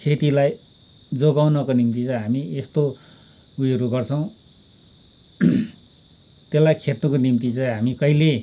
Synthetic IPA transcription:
kʰet̪ilaj | d͡zoɡawnʌkonimt̪it͡sʌ̃jɦamiest̪o | ujʌɾuɡʌrt͡sʰʌw̃ | t̪elːajkʰet̪nʌkonimt̪it͡sʌj̃ɦamikʌile

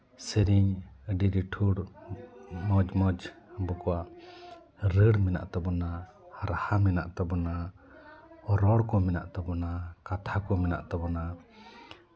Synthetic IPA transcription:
səɾiɲəɖiɾiʈʰuɽ | mɔd͡ʒmɔd͡ʒbɔkɔwaʔ | ɾəɽmɛna̰ʔt̪ɔbɔna | haɾahamɛna̰ʔt̪ɔbɔna | ɔɾɔɽkɔmɛna̰ʔt̪ɔbɔnakat̪ʰakɔmɛna̰ʔt̪ɔbɔna

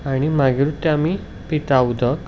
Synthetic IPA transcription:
aɽ̃imaɡiɾut̪ːeami | pit̪aud̪ʱək

